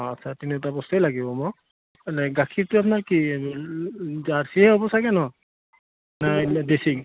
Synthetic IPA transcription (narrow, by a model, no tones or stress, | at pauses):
asʰatinitapɔstelaɡibɔmɔ | lɛɡakʰiɹtʊap̬naɹki | zaɹsiɦɛɦɔbɔsaɡɛnɔ | nadesi